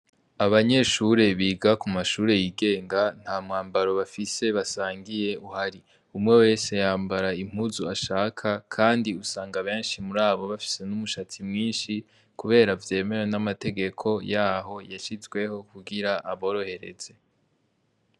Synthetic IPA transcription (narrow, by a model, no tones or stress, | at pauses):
aβaɲe̞ʃuɾe̞βiːɡakumaʃuːɾe̞jiːɡe̞ːŋɡan̥haːmŋaːmbaɾo̞βafise̞βasaːŋɡije̞uhaɾi | umŋe̞we̞ːse̞jaːmbaɾaim̥uzuaʃaːkʰakʰaːndiusaːŋɡaβe̞ːnʃimuɾaːβo̞βafi̥se̞numuʃat͡simŋiːnʃi | kuβe̞ːɾavje̞ːme̞wenamate̞ɡe̞kʰo̞jaːɦo̞jaʃizɡwe̞ho̞kuɡiɾaʔaβo̞ːɾo̞he̞ɾe̞̰z̥e̞